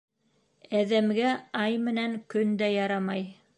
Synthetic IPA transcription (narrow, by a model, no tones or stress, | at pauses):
æðæmɡæɑjmɘ̆næŋkɵnd̪æjɑɾɑmɑj